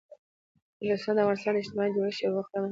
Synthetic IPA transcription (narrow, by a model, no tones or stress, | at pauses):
list̪ɑnd̪avɣɑnɪst̪ɑnɪʃt̪ɪmɑjd̪əʃjaɣuxt̪əna